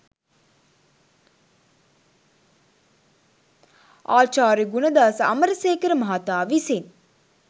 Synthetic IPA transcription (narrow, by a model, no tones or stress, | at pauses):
aːt͡ʃaːɾiɡunɐd̪aːsɐ̰məɾəseːkəɾəmaɦat̪aːʋisen